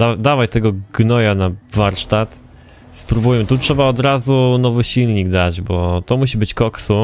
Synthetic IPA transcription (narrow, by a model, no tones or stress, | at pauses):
ad̪avajt̪ɛɡɔɡnɔjanavaɾʂt̪at̪ | spɾubujɛt̪utʂɛbaɔd̪ɾazunɔvɘɕilɲiɡd̪ad͡ʑbɔt̪ɔmuɕibɘt͡ɕkɔksu